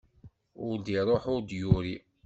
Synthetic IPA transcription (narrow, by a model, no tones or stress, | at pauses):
ʊɾd̪iɾˤoħʊɾd̪jʊɾi